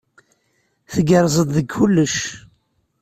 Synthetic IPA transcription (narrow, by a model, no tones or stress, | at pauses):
θəɡəɾˤzˤəððəɡxʊlːəʃ